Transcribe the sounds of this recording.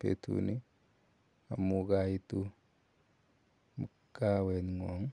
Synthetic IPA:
pḛtṵni˦ | a˨mukai˦tu˦ | m | ka˦wɛ˨nŋwɔ˨ŋ

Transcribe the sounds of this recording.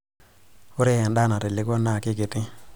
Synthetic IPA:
ʊ˦ɾe˦ja˨nda˦na˨ɾe˨lɪ˦ɡo˦nːa˦˨kɪ˦ɡe˨ti˦

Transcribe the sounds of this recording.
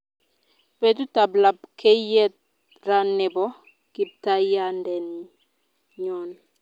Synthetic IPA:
pe˨tu˦ta˨bla˨bkʰɛ˦jɛ˦t̚ | ɾa˦nɪ˨bɔ˨˦ | ki˨b̚ta˦ja˦ndɛ˨n˨ | ɲɔ˨n

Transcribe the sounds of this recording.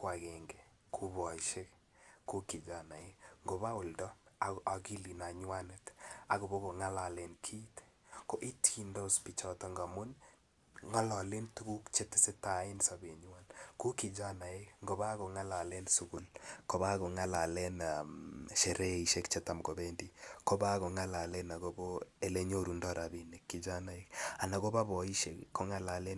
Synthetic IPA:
kwa˨kɛ˨ŋɡɛ˨ | kʰu˦bɔ˨iʃe˦k | ko˦kɪ˨d͡ʒa˨na˨e˦kŋɡo˨βa˦ʊ˨ldɔ˦a˨a˨ki˦li˨na˨ɲwa˦nɪ˨ta˨ɣo˨bo˦ko˨ŋa˦la˨lɛ˨nkʰi˦t | ko˦ʔi˦tki˨ndɔ˦˨spi˨t͡ʃɔ˨tɔ˨ŋɡa˨mʊ˦n | ŋa˦lɔ˨le˦ntu˦ku˦kt͡ʃe˦tɪ˨sɪ˦ta˨ɪ˦nsa˨be˨ɲwa˦nku˦ki˨d͡ʒa˦na˨ekŋɡo˨βa˦ɣo˨ŋa˦la˨lɛ˦nsu˦ɡu˨lko˨βa˦ɣo˨ŋa˦la˨lɛ˦naʃe˨ɾʔɛ˦i˨ʃe˦kt͡ʃe˦ta˨mɡo˨bendiko˦ba˦ɣo˨ŋa˦la˨lɛ˦na˨ɣo˦bo˦e˨le˦ɲo˦ɾu˨ndɔ˦ɾa˨bine˨kːi˨d͡ʒa˦na˨e˦ka˨na˨ɣo˦ba˦βɔ˨i˦ʃe˨kkːo˦ŋa˦la˨le˦n

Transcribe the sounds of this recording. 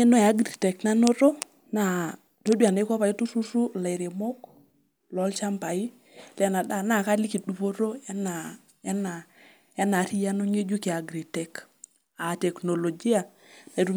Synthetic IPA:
e˦no˦ɛ˨a˦ɡɾi˨tɛ˨kna˦no˦ɾo˦ | na˨ | to˦dwa˨na˦kɔ˦pa˨i˦tu˦su˦ɾu˦la˨jɾe˨mo˦k | lɔ˨˦lt͡ʃa˦mpa˨i˦ | lɛ˦na˨da˦˨na˦˨ka˦li˦ki˨du˨po˦ɾo˦ɛ˦na˨ | ɛ˦na˨ | ɛ˦na˨ɾi˦ja˦no˦ɲe˦d͡ʒu˦ke˨a˨ɡɾi˨tɛ˨k | a˨tɛ˨kno˨lo˨d͡ʒi˦a˨ | na˨ɾu˦

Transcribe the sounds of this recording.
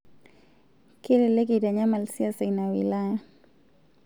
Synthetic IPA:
ke˦le˨le˦ɡi˨da˨ɲa˦ma˨lsi˦a˦se˨na˨wḭ˨la˦ja˦

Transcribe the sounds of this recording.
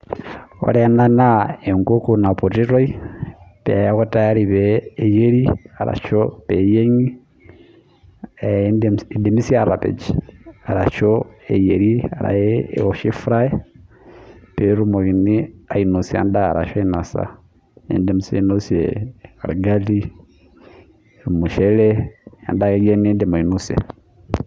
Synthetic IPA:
o̰˨ɾena˦nae˨ŋko˦kuna˨po˨tiɾo˦i˦pe˨a˦ɣota˦jaɾiβeː˨je˦ɾia˨ɾa̰˨t͡ʃopejeŋi | ndede˨mi˦siaɾapḛd͡ʒia˨ɾa˨ʃoejeɾia̰˨ɾa̰˨jɛɔʃi˦fɾaɛ | pɛɾu˦mo˨ɣi˨nia˨i˨nu˨sia̰˨nda˦a˨ɾa̰˨ʃɔ˦i˦nasa̰˨ | ɛ̰ndɛm̩˨sai˦no˦sɛ̰a̰˨ɾɡali˦ | ɾu˨mu˨ʃɛlɛja̰˨nda˦kɛ˦ɡɛ˦ni˦dɛma˨inusɛ̰˨

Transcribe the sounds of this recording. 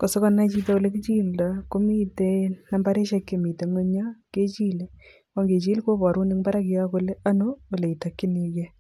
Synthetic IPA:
ko˨so˦kɔ˦na˦t͡ʃi˦ta˦o˨le˦ki˦t͡ʃi˦lda˨ko˦mi˦tena˦mba˦ɾe˦ʃe˦kːe˨mi˨te˨ŋe˦ɲa˦ke˦t͡ʃi˦le˨ | ko˦ŋɡe˨t͡ʃi˦lko˦bɔ˨ɾu˦ni˦ŋba˦ɾa˦kɪ˨ja˦ko˦le˦a˦no˦o˨le˨i˨ta˨kːi˦ni˨ke˦

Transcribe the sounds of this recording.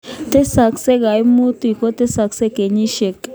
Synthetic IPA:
t̪e˦sa˨kse˦ɡa˨jmu˦t̪i˨ko˦t̪e˦sa˨kse˦ke˨ɲi˦ʃe˨k

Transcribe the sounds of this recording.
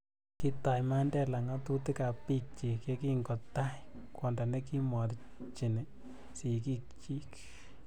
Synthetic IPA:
ki˦ta˨jma˦ndɛ˦la˨ŋa˦tu˦tɪ˦ka˨pːi˦k̚t͡ʃi˨kje˦ki˦ŋɡɔ˨tːa˦kwɔ˨nda˨nɛ˦ki˦mɔ˨ɾ | t͡ʃi˨nɛ˨ | si˨k̬i˦k̚t͡ʃi˦k

